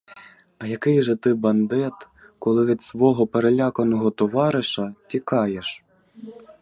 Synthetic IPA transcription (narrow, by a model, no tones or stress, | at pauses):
ɐjɐkɪjʒɛt̪ɪbɐnd̪ɛt̪ | kɔlˠɪʋʲid̪sʋɔɦɔpeɾelʲakɐnɔɦɔt̪ɔʋɑɾɪʃɐtʲikɑjeʃ